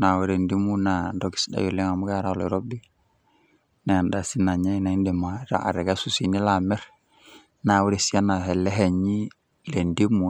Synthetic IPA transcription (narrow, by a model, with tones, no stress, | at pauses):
na˨we˨ɾe˨ndi˦mu˦na˨do˨ki̥˨sda̰˨ju˨le˦ŋa˨mu˦ɡa˦ɾa˦le˨ɾo˦bi˦ | na˨ja˨nda˨si˦na˨ɲa˦na˨i˦nde˨ma˨ɾa̰˦a̰˨ɾe˨ɡa˦su˨si˨ni˦la˨me˦ɾ | na˨wu˦ɾe˨si˦a˦na˨ɦe˨lːe˦ɦe˨ɲi˦ | le˨ndi˦mu˨